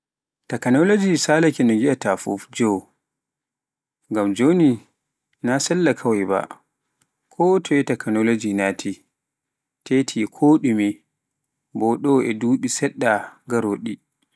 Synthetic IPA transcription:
takanɔlod͡ʒisaːlakɛnɔɡiʔatafṵfd͡ʒɔw | ŋɡamd͡ʒoni | nasɛlːakʰawajba̰ | kʰɔtʰɔɛtakanolod͡ʒinaːtʰi | tetʰikʰoːɗumi | bɔɗɔɛduːɓisɛɗːaɡaɾoːɗi

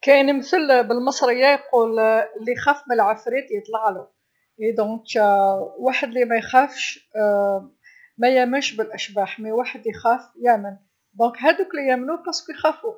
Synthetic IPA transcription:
kæniməθəlbəlmɑsˤɾəjːajquːllːixæːfməəlʕafɾit̪ljt̪ˤlɑʕlu | ed̪ɔ̃kæwaːħəd̪limæjxæfʃ | mæjæmənʃbɪlʔæʃbaːħmiwaːħəd̪lixæːfjæmən | d̪ɔ̃ːkɦæd̪uklijæmnuqɑsˤkujxæːfu

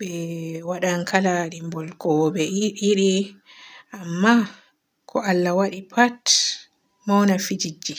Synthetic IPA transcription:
ɓɛwaɗaŋkʰalaɗimbɔlkɔɓɛiɗi | ʔamːa | kʰɔʔalːawaɗipʰat | mawnafid͡ʒid͡ʒːi

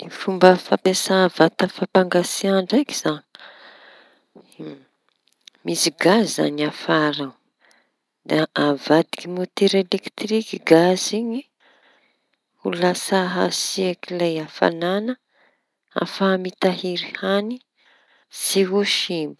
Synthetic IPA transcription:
ifumbəfapesavat̪əfapaŋɡasiaɳɖ͡ʐaki̥z̥ani | misiɡazzza̰niafaɾa | d̪aavad̪i̥kimot̪eɾelekt̪rikiɡaziɲi | ulasaɦa̰siakilajafa̰nanə | a̰famit̪aɦiɾihani | siɦuʃimu̥

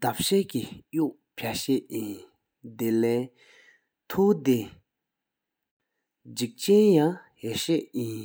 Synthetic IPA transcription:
t̪ap̚ɕɛːʔkijuʔ | pʰaɕɛʔjin | d̪elɛː | t̪ʰuːt̪e | d͡ʑik̚t͡ɕɛnjaŋheɕɛʔjin

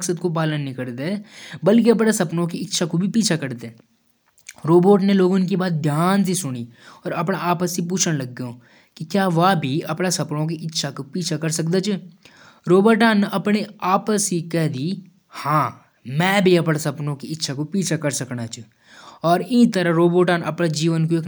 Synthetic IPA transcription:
ksəd̪kop̬aːlənɦĩkɐɾt̪eɛbɐlk̬iɐp̬nasɐpnõkiɪtːʃʰakobʱipiːt͡ʃʰakɐɾt̪eɛː | ɾoːboːʈ̬neloːɡʊnk̬ibaːt̪̚d̪ʱjaːns̬isʊniɔːɾɐpnaaːpəsip̬uːt͡ʃʰəɽ̃lɐɡːeõː | kikjaːʋabʱiɐpnasɐpnõk̬iʔɪtːʃʰakopiːt͡ʃʰakɐɾsɐk̚d̪at͡ʃ | ɾoːbəɾʈaːnʔɐpneaːpəsikɛɦd̪i | hãː | mɛ̃ːbʱiɐpnasɐpnõkiɪtːʃʰakopiːt͡ʃʰakɐɾsɐknat͡ʃ | ɔːɾɪĩt̪əɾəɾoːboːʈaːnɐpnad͡ʒiːʋənkoeːk

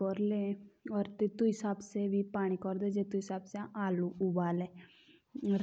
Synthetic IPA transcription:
ɔɾlẽɔːɾt̪et̪uɦɪsaːbseʋipaːɽ̃ikɔɾd̪ed͡ʒet̪uɦɪsaːbseaːluʔʊbaːleː | ɾ

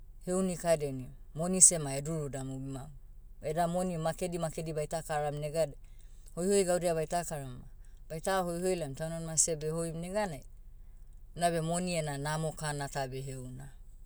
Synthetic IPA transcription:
he̞wnikadeniomo̞nise̞maeduɾudamubimau | edamonimake̞dimakedibajtakaɾamneɡade | ho̞jho̞jɡawdeaβajtakaɾama | b̥ajtaɦo̞jho̞jlamtawnanmase̞behojmneɡanaj | nabe̞mo̞nienanamo̞kanatabeɦewna

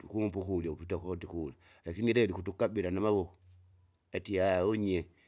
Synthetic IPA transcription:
tukumpukulaupitakodikula | lakiniɾadikutukaɓiɾanamaβo | atiaoɲe

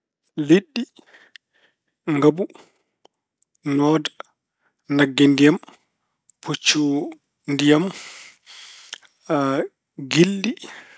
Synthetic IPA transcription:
liɗːi | ŋɡabu | nɔːda | naɡːindijam | pʰut͡ʃːu | ndijam | ɡilːi

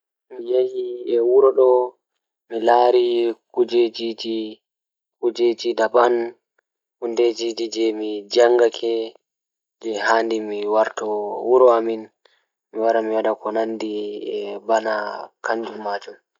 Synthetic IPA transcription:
mijejiɛwuɾɔɗɔ | milaːɾikud͡ʒed͡ʒid͡ʒi | kud͡ʒed͡ʒidaban | hunded͡ʒid͡ʒid͡ʒɛmid͡ʒaŋɡakʰɛ | d͡ʒɛhaːndimiwaɾtɔwuɾɔamin | miwaɾamiwaɗakɔnandiɛbanakaɲd͡ʒumaːd͡ʒum

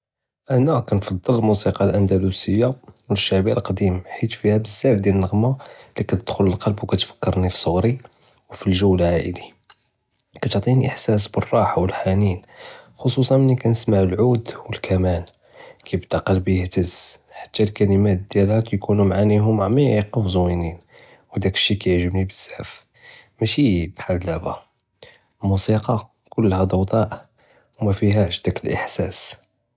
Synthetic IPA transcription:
ʔænækænfɑd̪ˤːəllmusiqɑlʔænd̪ælusəjːawəʃːaʕbiælqd̪imħit̪fihæbəzːæbd̪jælənːəɣmalikæt̪əd̪̥xʊləlqɑlbwkæt̪fə̥kːəɾˤnifi̥sˤːoɣɾi | wfilʒəwːlʕaʔə̰li | kæt̪ʕt̪ˤiniʔəħsæs̬bərˤːɑħawəlħaninxosˤusˤɑnmənːikænəsmaʕəlʕud̪wəlkʰæmæn | kæjbt̪ɑqəlbjəht̪əz̥ħḁt̪ːælkæləmæt̪̚d̪jælhækæjkunumʕaniɦʊmʕmiʕiqːəfzwinin | wd̪ækə̥ʃːikæjəʕʒəbnibəz̥ːaʕf | mæʃibħallæbæ | lmusiqɑ | kʊlːhæd̪ɑwd̪ˤɑʔ | wmæfiɦæʕʃd̪ækəlʔə̰ħsæs

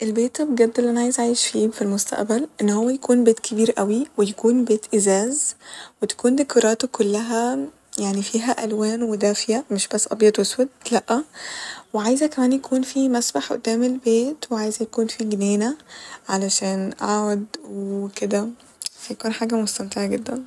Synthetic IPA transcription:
ʔelbeːt̪æbɡæb̪̚ːelːʔænaʕaːjezʕaːjeʃfiːfilmost̪æ̰ʔbælʔenːhowːæjækʰuːnbeːt̪kʰebiːɾʔæwiwejækuːnbeːt̪ʔezæːzwet̪æ̥kuːnd̪ekɑɾˤɑːt̪okʰolːæɦæ | jaʕnifiːɦæʔælwæːnwed̪æːfjæmeʃbæsːʔɑ̰bjæt̪oswed̪̚læʔːæweʕaːjzækæmæːnjækʰuːnfimæsbaħʔo̰d̪ːæːmelbeːt̪weʕaːjzæjækuːnfiɡneːnæʕalæʃæːnʔaʕd̪weked̪æ | fæjakuːnħaːɡæmost̪æmt̪eʕaɡed̪ːæn

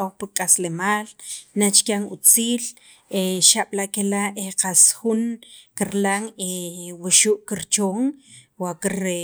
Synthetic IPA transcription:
oχpikʼaslemaːlnat͡ʃkjaŋut͡siːl | eʃaɓ̥laʔkelaeqasxunkiɾlaŋewaʃuʔkiɾt͡ʃoːŋ | wakiɾ

